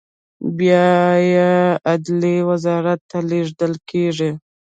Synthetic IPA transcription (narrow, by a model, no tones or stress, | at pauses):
bjɑjead̪liwazɑɾat̪ːaleʐd̪əlkeʐi